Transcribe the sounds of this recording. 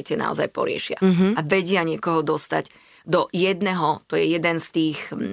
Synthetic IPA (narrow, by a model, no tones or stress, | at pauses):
cɛna̰ɔ̰za̰jpɔ̰ɾɪɛ̰ʃɪa̰ɦaʋɛɟɪaɲɪɛkɔɦɔd̪ɔst̪a̰ɟ | d̪ɔjɛd̪nɛɦɔt̪ɔjɛjɛd̪ɛnst̪iːx